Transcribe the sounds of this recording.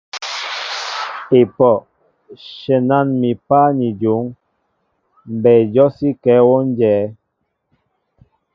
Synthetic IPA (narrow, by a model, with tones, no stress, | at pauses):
e˨pɔ˨ | ʃɛ˨na˦˨nmi˨pa˦ni˨d͡ʒu˨˦ŋ | m̩˨bɛ˨d͡ʒɔ˦si˦kɛ˨˦wɔ˦n˦d͡ʒɛː˨˦